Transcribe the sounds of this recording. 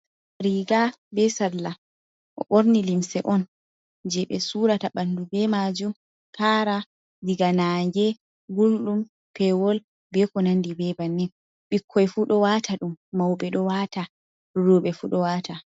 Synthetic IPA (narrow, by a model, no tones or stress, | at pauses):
ɾiɡa | bɛsaɾla | ʔɔ̰ɓoɾnilimsɛʔɔn | d͡ʒɛɓɛ̰suɾataɓanːdubɛmad͡ʒum | kaːɾa | diɡanaŋɡɛ | ɡulɗum | pɛwɔl | bɛkɔnandibɛbanːɛn | ɓikʰːɔjfuɗɔwaːtʰaɗumːawɓɛɗɔwaːta | ɾuɓɛfuɗɔwatʰa